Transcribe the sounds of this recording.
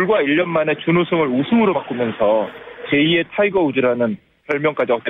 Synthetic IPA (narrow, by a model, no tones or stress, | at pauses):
uɭɡwaiʎːʌnmane̞t͡ɕunosʰoŋɯɾusʰuŋɯɾomak͈ɯmjʌnsʰʌt͡ɕe̞ie̞tʰaiɡʌud͡ʑiɾanɯn | pʌɭmjʌŋk͈ad͡ʑiʌt͈e